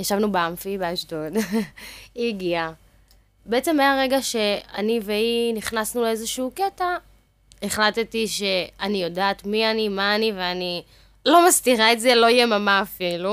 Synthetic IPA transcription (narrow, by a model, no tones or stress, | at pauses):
jaʃavnubeamfibeaʃdod | iɡia | beet͡se̞mːeaʁe̞ɡaʃe̞a̰niveiniχnasnuleezeʃiuketa | eχlat̪etiʃe̞anijo̞daːt̪mianimaːniveani | lo̞mastiʁaetzelo̞jemamaːfilu